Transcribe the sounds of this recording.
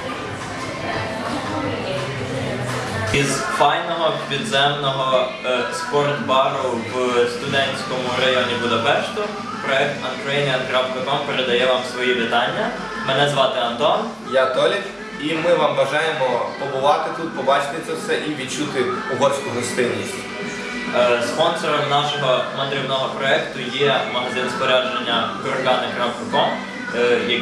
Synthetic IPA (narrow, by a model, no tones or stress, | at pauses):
izfɑjnɔɦɔpʲid̪zɛmnɔɦɔ | spɔrt̪bɑɾʊʋst̪ʊd̪ɛnʲsʲkɔmʊɾɐjɔnʲibʊd̪ɐpɛʃt̪ʊ | pɾɔɛk̚t̪nɐt̪kɾɔjɛnʲɐd̪kɾafkɐkɔmpeɾed̪ɐjɛʋɑmsʋɔjiʋɪt̪ɑnʲːɐ | mɛnɛzʋɑt̪ɪɐnt̪ɔn | jat̪ɔlʲifʲ | imɪʋɑmʋɐʒɑjemɔpɔbʊʋɑt̪ɪt̪ut̪̚pɔbɑt͡ʃt̪ɪt̪sɛwsɛʔiʋʲid̚t͡ʃut̪ɪʊɦɔrsʲkʊɦɔst̪ɪnʲːisʲtʲ | spɔnsɔɾɔmnɑʃɔɦɔmɐd̪ɾʲiwnɔɦɔpɾɔɛkt̪ʊjɛmɐɦɐzɪnsp̪ɔɾʲaʒenʲːɐkɔɾɐlʲanɪkɾawk̪ɐkɔm | jɐ